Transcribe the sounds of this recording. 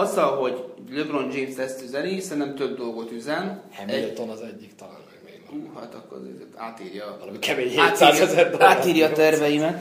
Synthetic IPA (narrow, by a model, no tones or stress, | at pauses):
ɒzːɒlɦo̞ɟløbro̞nd͡ʒiːnst̪ɛst̪yzɛlisɛnt̪ɛmt̪øb̚d̪o̞lɡo̞t̪yzɛnhɛmilt̪onɒzɛɟːikt̪ɒla̰ːlmɛɡḛːuːha̰t̪ɒ̰kːo̰r̰zḛːt̪a̰ːt̪iːrjɒɒlmikɛmeːɲheaːt̪saːzjɛzɛt̪ːaːt̪iːɾjɒːt̪ɛrvɛjimɛt̪